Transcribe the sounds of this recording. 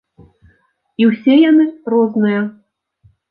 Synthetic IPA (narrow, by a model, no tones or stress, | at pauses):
iwsʲɛjanɨrɔznɨjɐ